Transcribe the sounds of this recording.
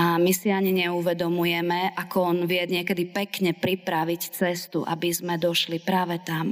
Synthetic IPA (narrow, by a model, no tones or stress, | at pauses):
amisiaɲiɲɛuʋɛd̪ɔmujɛmɛʔakɔɔnʋɪɛd̪ɲɪɛkɛd̪ipɛkɲɛpɾipɾaʋict͡sɛst̪ṵʔa̰bizmɛd̪ɔʃlipɾaːʋɛt̪am